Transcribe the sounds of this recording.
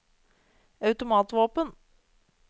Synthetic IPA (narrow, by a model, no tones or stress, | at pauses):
ɑʉt̪ʊmɑːt̪ʋoːpən